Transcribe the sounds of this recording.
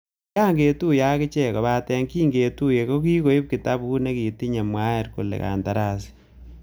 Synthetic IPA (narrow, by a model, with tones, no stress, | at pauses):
ja˦ŋɡe˨tu˦ja˦kɪ˦t͡ʃɛ˦˨kɔ˨βa˦tɛ˦ŋkiː˦ŋɡe˨tu˦je˨ko˦ki˦ko˨˦i˦p̚ki˨ta˦bku˦ne˦ki˨ti˦ɲa˨mwa˦ɛ˨ɾko̰˨lɛ̰˨ka̰˨nta˨ɾa˦˨si̥˨